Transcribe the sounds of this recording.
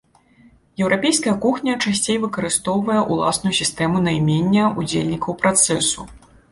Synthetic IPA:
jɛwɾʔapʲejskɐjɐkuxnʲɐt͡ʂasʲt͡sʲejvɨkɐɾɨst̪ɔwvɐjɐʔulˠa̰snujusʲist̪ɛmunɐjmʲenʲːɐud͡zʲḛlʲnʲikɐwpɾat̪sɛsu

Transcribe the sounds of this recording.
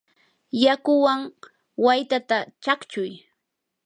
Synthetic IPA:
jakʊwaŋ | wajt̪at̪at͡ʃakt͡ʃʊj

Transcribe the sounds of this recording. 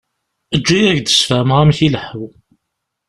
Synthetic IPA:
əd͡ʒːijæʝd̪ə̥sfæmʁæmçiləħw

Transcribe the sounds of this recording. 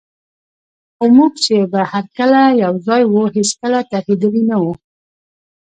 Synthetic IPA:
xomuɡt͡ʃebahaɾkəlajawzɑjwuɦiskəlat̪ahid̪əlinawu

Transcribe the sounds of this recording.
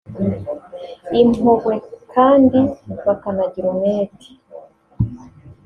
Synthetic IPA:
imoɡwe̞kʰaːndivakanaɟiɾomeːti̥

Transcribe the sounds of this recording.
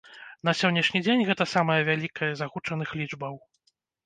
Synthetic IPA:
n̪ɐsʲɔnʲːɐʂnʲid͡zʲenʲɣɛt̪ɐsamɐjɐvʲalʲikʰɐjɐzaɣut͡ʂɐn̪ɨxlʲid͡ʐbɐw

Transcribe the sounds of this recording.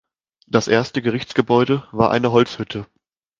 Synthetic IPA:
d̥asʔeːɐstəɡəʁ̞ɪçt͡sɡ̥əbɔʏdəvaːɐʔa̰ɪnəɦɔlt͡shʏtʰə

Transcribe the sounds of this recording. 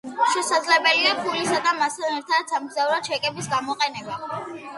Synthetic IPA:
ʃɛsad̪zlɛbɛliapʰulisad̪amast̪ʰanɛɾt̪ʰad̪samɡzauɾat͡ʃʰɛkʼɛbisɡamɔqʼɛnɛba

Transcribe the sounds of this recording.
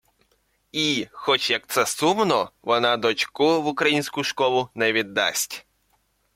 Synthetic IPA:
ixɔt͡ʃjɐk̚t̪sɛsumnɔʋɔnɑd̪ɔt͡ʃkʊʋʊkɾɐjinʲsʲkʊʃkɔlˠʊnɛʋʲid̪ːɑ̰sʲtʲ

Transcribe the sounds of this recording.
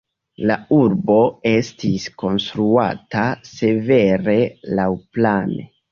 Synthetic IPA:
lauɾbo̞e̞stisko̞nstɾua̰tase̞ve̞ɾe̞lawplane

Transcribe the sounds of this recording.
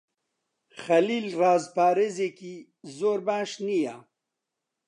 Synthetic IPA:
xɐlilɾaːzpaːɾezeki | zoːɾbãːʂnija

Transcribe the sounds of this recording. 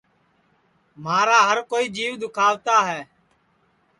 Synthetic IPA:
maːɾaːɦəɾkoːiːd͡ʒiːʋd̪ʊkʰaːʋt̪aːɦɛː

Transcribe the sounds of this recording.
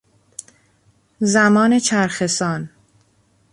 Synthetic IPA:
zæmɒːne̞t͡ʃʰæɾxe̞sɒːn

